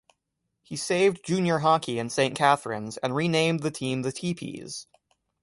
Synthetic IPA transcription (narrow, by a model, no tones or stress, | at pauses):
hiseɪvd͡ʒʉ̃njə˞ɦɑkʰiɨ̃nsẽɪ̃nkʰæθɹɨ̰̃nzɨ̃nɹinẽɪ̃mðɨtʰĩmðɨtʰipʰḭz̥